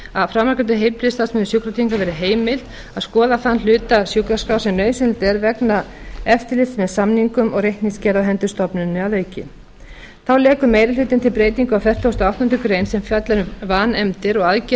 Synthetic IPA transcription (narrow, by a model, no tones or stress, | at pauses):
aðfɾamːaɾkant̪ʏɦejlpʰɾɪst̪asmɛnʏsukɾɔt̪ʰiiŋkaɾvɛːɾɪɦeːjmɪl̥t̪ | aðskɔːðaθanl̥ʏːt̪asjukaskaːwsɛmnœɥsɪnlt̪ɛɾvɛknaɛft̪ɪlɪft̪mɛðsamniŋkʏmɔɣrehk̪niscɛɾaɦɛnt̪ʏst̪ɔpnʏnːɪaðeːjcɪ̰ | θawlɛːkʏmejɾɪlʏːt̪ɪnt̪ʰɪlpɾeːjt̪iŋkʏawfɛr̥t̪host̪awht̪ɔnt̪ʰʏkɾeːjnsɛmfjat̪lɛnʏvaːnɛmt̪ɪɾɔɣaðc